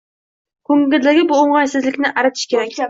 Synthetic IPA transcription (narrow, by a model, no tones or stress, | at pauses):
kʰɵŋɡʲɪld̪ɪɡʲɪbʊoɴʁɑjsɪzlɪkʲnɪʔaɾat̪ʰɪ̥ʃkʲeɾakʲ